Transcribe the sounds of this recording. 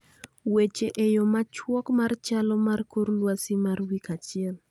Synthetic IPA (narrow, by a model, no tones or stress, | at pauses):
wet͡ʃeʔejɔmat͡ʃwɔkmart͡ʃalɔmarkorlwasimarwikat͡ʃɪɛl